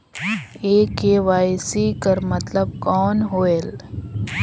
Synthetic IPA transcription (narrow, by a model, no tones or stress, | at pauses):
eːkeːʋaːisiːkɐɾmɐt̪ləb̚kɔːnɦoːeːl